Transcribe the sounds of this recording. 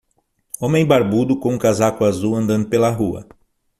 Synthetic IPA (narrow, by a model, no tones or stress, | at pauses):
õmẽj̃baɾbud̪ʊkõũkazakʊazuwɐ̃nd̪ɐ̃nd̪ʊpelɐɦuɐ̰